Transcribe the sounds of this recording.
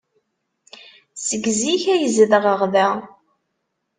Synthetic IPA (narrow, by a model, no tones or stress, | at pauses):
səɡziçæjəzəðʁəʁðæ